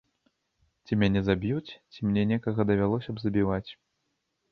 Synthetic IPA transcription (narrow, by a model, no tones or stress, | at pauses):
t͡sʲimʲanʲɛzabʲjut͡sʲt͡sʲimnʲɛnʲɛkɐɣɐd̪ɐvʲalˠɔsʲɐbzɐbʲivat͡sʲ